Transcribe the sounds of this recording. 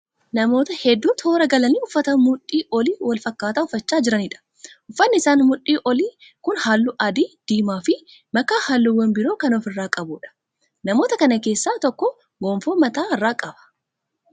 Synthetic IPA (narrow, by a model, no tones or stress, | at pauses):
nɐmo̞ːt̪ɐhɛd̪ːuːt̪ʰo̞ːɾɐɡɐlɐniːʊfːɐt̪ɐmʊᶑʼːiːʔɔliːwɐlfɐkːaːt̪aʊfːɐt͡ʃːaːd͡ʒɪɾɐniːᶑɐ̥ | ʔʊfːɐnːɪɪsaːnmʊᶑʼiːʔɔliː | kʊnhaːlːʊʔɐd̪iːd̪̥iːmaːfɪ | mɐkaːhalːʊwːɐnbɪɾo̞ːkɐnɔfɪrːaːkʼɐbuːᶑɐ̥ | nɐmo̞ːt̪ɐkɐnɐke̞ːsːaːt̪ɔkːɔ | ɡoːmfoːmɐt̪aːɪrːaːkʼɐbɐ̥